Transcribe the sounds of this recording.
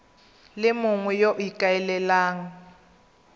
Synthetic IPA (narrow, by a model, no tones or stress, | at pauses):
lɪmʊŋwɛjoʔikʼaɛlɛlaːŋ̩